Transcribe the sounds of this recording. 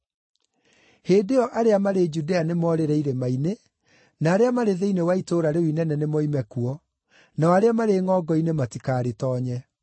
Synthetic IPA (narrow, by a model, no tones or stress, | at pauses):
heːdeɔʔaɾeamaɾed͡ʒudeanemɔːɾeɾɛiɾemaine | naːɾeamaɾeðeinewaitoɾaɾewinɛnɛnemɔimɛkuɔ | naɔaɾeamaɾeŋɔɡɔinematikaːɾetɔːɲɛ